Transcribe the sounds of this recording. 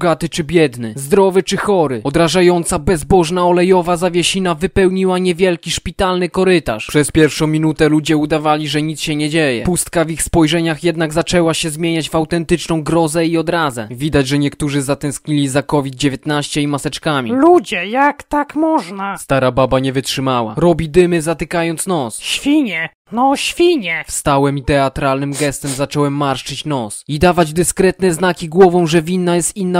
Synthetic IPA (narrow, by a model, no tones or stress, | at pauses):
ɡat̪ɘt͡ʂɘbʲjɛd̪nɘzd̪ɾɔvɘt͡ʂɘxɔɾɘɔd̪ɾaʐajɔnt̪sabɛzbɔʐnaɔlɛjɔvazavʲjeɕinavɘpɛwɲiwaɲɛvʲjɛlkʲiʂpʲit̪alnɘkɔɾɘt̪a̰ʂpʂɛspʲjɛɾfʂɔ̃w̃mʲinut̪ɛlud͡ʑɛud̪avalʲiʐɛɲit̪sɕɛɲɛd͡ʑejɛ̰pust̪kavixspɔjʐɛɲaxjɛd̪naɡzat͡ʂɛwaɕɛzmʲjeɲad͡ʑvawt̪ɛnt̪ɘt͡ʂnɔ̃w̃ɡɾɔzɛiɔd̪ɾazɛ̰vʲid̪ad͡ʑʐɛɲɛkt̪uʐɘzat̪ɛ̃w̃skɲilʲizakɔvʲid̪̚d͡ʑevʲjet̪naɕt͡ɕɛimasɛt͡ʂkamʲḭlud͡ʑɛjakt̪akmɔʐnast̪aɾababaɲɛvɘtʂɘmawa̰ɾɔbʲid̪ɘmɘzat̪ɘkajɔnt̪snɔsɕfʲiɲɛ | nɔɕfʲiɲɛfst̪awɛmit̪ɛat̪ɾalnɘmɡɛst̪ɛmzat͡ʂɔwɛmːaɾʂt͡ʂɘt͡ɕnɔsid̪avad͡ʑd̪ɘskɾɛt̪nɛznakʲiɡwɔvɔ̃w̃ʐɛvʲinːajɛst̪inːa